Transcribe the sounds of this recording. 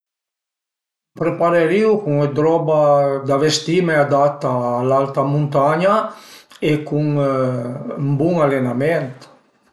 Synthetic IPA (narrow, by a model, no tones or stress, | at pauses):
pɾepaɾeɾiwkuŋed̪ɾɔbad̪avest̪imead̪at̪ːalalt̪amũnt̪aɲa | ekuŋ | mbuŋalenament̪